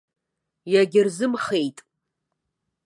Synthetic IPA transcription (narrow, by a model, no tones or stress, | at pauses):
jaɡʲɪrzɨmχejtʼ